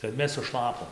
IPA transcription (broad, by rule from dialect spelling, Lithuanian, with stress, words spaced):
kɐt ˈmʲɛs sʊˈʃlˠɑːpoːm